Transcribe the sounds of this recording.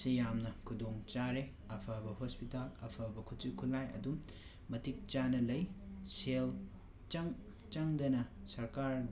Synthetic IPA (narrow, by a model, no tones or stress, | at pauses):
sijamnɐkʰudoŋt͡ʃaɾe | ɐpʰabɐhospitalɐ̰pʰabɐkʰut͡ʃikʰulːajɐ̰dum | mɐtik̚t͡ʃanɐlɐjsel | t͡ʃɐŋ | t͡ʃɐŋdɐnɐsɐɾkaɾ